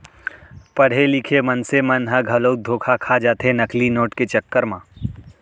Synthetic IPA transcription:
pɐɽ̤elɪkʰemɐnsemɐnɦɐ̃ɡʱɐloːd̪ʱoːkʰakʰad͡ʒaːt̪enɐklinoːʈket͡ʃɐkːəɾmãː

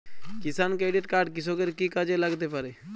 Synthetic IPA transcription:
kɪsaːnkeːɖeʈkaːɾɖkɪsokeɾkikad͡ʒelaɡt̪epaɾe

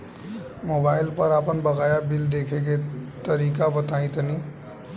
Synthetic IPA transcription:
moːbaːɪlpɐɾaːpənbɐɣaːjabɪld̪eːkʰeket̪ɐɾiːkabɐt̪aːĩt̪ənĩː

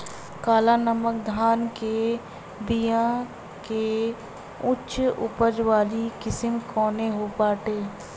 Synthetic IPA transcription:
kaːlanəmək̚d̪ʱaːnke | bijã | ke | ʊtːʃʊ̰pəd͡ʒʋaːlikɪsəmkɔːneɦopaːʈeː

